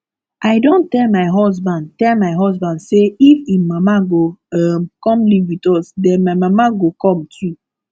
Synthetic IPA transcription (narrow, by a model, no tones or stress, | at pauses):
ʔaɪdõntɛlmaɪɦɔz̬bãnd̚tɛlmaɪɦɔzbãndseifimmamaɡoɛmkɔ̃mlivwitɔsdɛ̃nmaɪmamaɡokɔ̃mtʰu